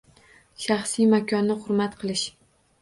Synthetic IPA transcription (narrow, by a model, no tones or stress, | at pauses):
ʃɑχsijmakʲʰɒnːɪχʊɾmat̪qʰɨlˠɪʃ